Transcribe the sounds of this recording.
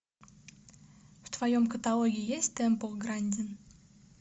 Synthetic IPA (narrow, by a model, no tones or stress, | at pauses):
ft̪vɐjomkət̪alˠoɡʲɪɪjesʲtʲt̪ɛmpoɡɾanʲdʲɪn